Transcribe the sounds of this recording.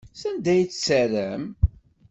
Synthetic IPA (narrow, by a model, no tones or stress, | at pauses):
sænd̪æjt͡sːsəɾəm